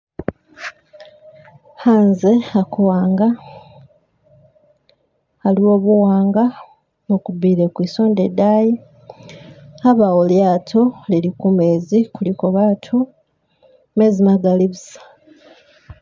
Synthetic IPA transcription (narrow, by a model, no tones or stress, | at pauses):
haːnze̞akuwaːŋɡa | haliwo̞ːβuwaːŋɡa | mukubiːɾe̞kwiso̞ːndedaːji | aβawoljaːtʰo̞lilikume̞ːzikulikoβaːtʰu | mezimaɡaliβzḁ